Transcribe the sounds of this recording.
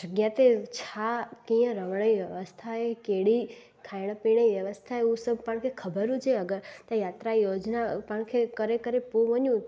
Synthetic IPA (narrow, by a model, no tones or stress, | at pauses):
d͡ʒəɡjat̪et͡ʃʰakĩjə̃ɾəʋɳəiʋjəʋəst̪ʰaekeɽi | kʰajɽ̃əpiɳ̃əʋjəʋəst̪ʰaeũsəb̚ʱpəɳkʰekʰəbəɾũt͡ʃʰeəɡəɾt̪ãjat̪ɾajod͡ʒnapəɳ̃kʰekəɾekəɾepũʋəɲjũ